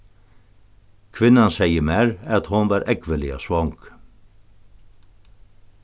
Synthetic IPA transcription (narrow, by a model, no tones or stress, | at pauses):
kʰʋɪnɑnsæɪəmæːɾɑt̪hʊnʋɑːɾʔɛɡʋəlɪɑ̰sʋɔŋɡ̥